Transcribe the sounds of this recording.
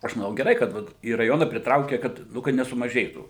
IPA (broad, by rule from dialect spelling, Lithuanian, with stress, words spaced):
ˈɐʃ mɐˈnɐʊ ɡʲɛˈrɐɪ kɐt ˈʋɐt iː rɐˈjoːnɐ pʲrʲɪˈtrɐʊkʲeː kɐt ˈnʊ kɐt nʲɛsʊmɐˈʒʲeːtuː